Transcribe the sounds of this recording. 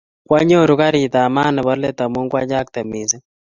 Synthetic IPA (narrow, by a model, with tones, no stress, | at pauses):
kwa˦ɲo˦˨ɾu˦ka˦ɾi˨ta˨ma˦nɛ˨βɔ˦ɾlɛ˦ta˨mo˦ŋɡwa˦d͡ʒa˦k̚tɛ˨mi˨zɛ˦